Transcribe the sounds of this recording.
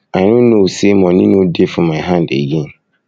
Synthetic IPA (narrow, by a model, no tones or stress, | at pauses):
anʊ̃nõsemɔ̃nɪ̃nʊ̃defʊ̃mãɦãndḛjĩn